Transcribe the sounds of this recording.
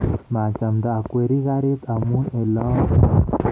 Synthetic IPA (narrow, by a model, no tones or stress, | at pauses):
mat͡ʃamd̪aːkweɾiɡaɾet̪amunela